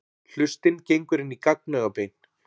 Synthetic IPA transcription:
l̥ʏst̪ɪncejŋkʏɾɪnikak̚nœɣapejn̥

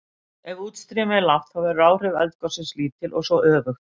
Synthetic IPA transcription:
ɛɣuːt̪st̪ɾɛːmɪðlaft̪havɪraːwr̥ɪvɛ̰lt̪̚kɔsɪnsliːt̪ʰɪlʔɔ̰ɣsɔʔœːvʏxt̪

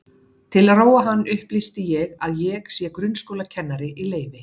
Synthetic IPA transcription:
t̪ʰɪlroːwaɦanːʏhplist̪ɪjɛɣaðjɛɣsjɛkɾʏnskowlacʰɛnːaɾɪʔileːjvɪ

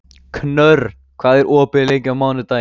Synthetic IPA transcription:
kʰnœɾ | kʰv̥aːðɛɾʔɔːpɪlejɲcavmaːwnɪt̪a

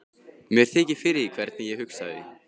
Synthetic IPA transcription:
mjɛɾ̥θʰɛːcɪ̥fɪɾɪðikʰvɛɾt̪̚nɪjɛɦʏksa̰ðɪ̰

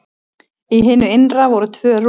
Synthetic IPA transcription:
iɦɪːnʏɪnravɔɾʏt̪ʰvœːr

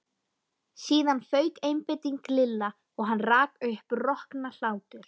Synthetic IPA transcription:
siːðanfœːɥkejmpɪjt̪iŋklɪlːa | ɔɣɦanːraːkʏhprɔhknal̥aːwt̪ʏɾ̥

